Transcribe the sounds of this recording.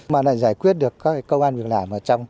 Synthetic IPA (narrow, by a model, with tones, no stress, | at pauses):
maː˨˩la̰ː˧˨zaː˧˩jkwi˦˥ət̚ɗɨ˨˩ək̚kɔ˨˦˥kaː˨˦kə˧wʔaː˧nvi˨˩ək̚laː˨˩mʔəː˧˩t͡ɕɔ˧wŋ͡m